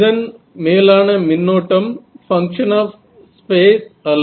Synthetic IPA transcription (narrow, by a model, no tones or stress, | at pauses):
ðɐn | meːlaːnɐminːoːʈːɐmfɐŋkʂɐnaːf | speːsɐl